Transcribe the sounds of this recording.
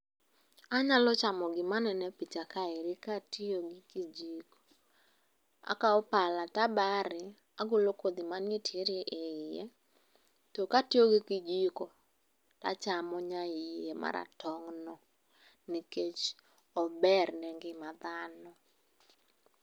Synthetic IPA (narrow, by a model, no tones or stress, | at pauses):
aɲalɔt͡ʃamɔɡɪmanɛnɛpit͡ʃakaeɾɪkatioɡɪkid͡ʒiko̥ | a̰kaɔpalatabaɾɪ | aɡolokod̪imanetjeɾeʔeɪje | tɔkatioɡɪkɪd͡ʒiko | ta̰t͡ʃamɔɲaɪjema̰ɾa̰tɔŋnɔ | niket͡ʃ | ɔbɛrnɛŋɡɪmad̪anɔ